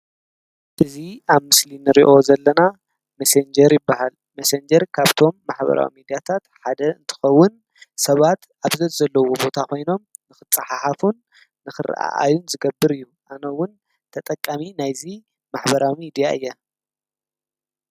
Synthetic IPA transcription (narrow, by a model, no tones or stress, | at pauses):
ʔɨziaβmɨslinɨɾiʔo̞zɐlːɐna | mɐsend͡ʒɐɾjɪbːahal | mɐsend͡ʒɐɾkʰaβt̪ʰo̞mːaħβɐ̰ɾa̰wḭmid̪ijat̪ʰat̪ħad̪ɐɨnt̪ʰɨ̥xɐwːʊn | sɐβat̪ʔaβzɐt̪zɐlːɐwobo̞t̪ʰakʰo̞jno̞m | nɨxɨt͡sʼːɐħaħafunː | ɨxɨɾ̰ʔa̰ʔa̰junzɨɡɐbːɨɾɨjːuʔanɐwʊn | t̪ʰɐt̪ʼɐkʼːaminajzi | maħbɐɾawimid̪ijaʔɨjːɛ